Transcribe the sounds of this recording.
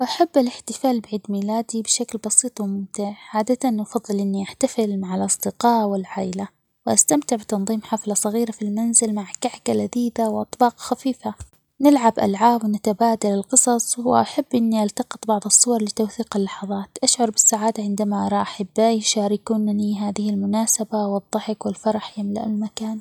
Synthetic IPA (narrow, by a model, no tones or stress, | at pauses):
ʔaħabːalɪħt̪ɪfaːlbɪʕiːd̪miːlaːd̪ibɪʃaklbɑsiːt̪ˤwmʊmt̪aʕʕaːd̪at̪anʔafɑðˤːɨlʔɪnːiʔaħt̪afɪlmaʕalʔɑsˤd̪ɪqɑːʔwɪlʕaːʔɪla | wʔast̪amt̪ɪʕbɪt̪ɑnðˤiːmħaflɑsˤɑɣiːɾafilmanzɪlmaʕkaʕkalʔaðiːd̪awʔɑt̪ˤbɑːqxafiːfa | nɪlʕabʔa̰lʕaːbwnat̪abaːd̪alɪlqɨsˤɑsˤwɪʔaħabːʔɪnːiʔalt̪ɑqɨ̥t̪ˤbɑʕðˤɨsˤːuwɑɾˤlɪt̪awθiːqalːɑħɑðˤɑːt̪ʔaʃʕʊɾˤbɪsːaʕaːd̪aʕɪnd̪amaʔɑɾˤɑʔaħabːajʃaːɾɪkuːnaniɦaːðɪhɪlmʊnaːsabawɨd̪ˤːɑħɪkwɪlfɑɾˤɑħjamlaʔalmakaːn